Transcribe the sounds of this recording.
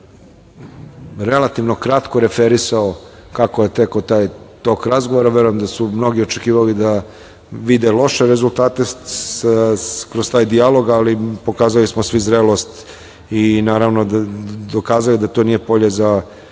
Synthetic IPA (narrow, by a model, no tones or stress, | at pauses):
ɾe̞lat̪iʋnokɾat̪ko̞ɾefeɾisao | kakoje̞t̪ekot̪aːjt̪okɾazɡoʋoɾaʋe̞ɾojemd̪asumno̞ɡio̞t͡ʃekiːʋalid̪a | ʋid̪elˠo̞ʃeɾezulˠt̪aːt̪e | kɾozt̪aːjd̪ialo̞ɡalipo̞kaːzalismosʋizɾelˠo̞st̪ | inaːɾaʋnod̪o̞kaːzalid̪at̪o̞nije̞po̞ʎeza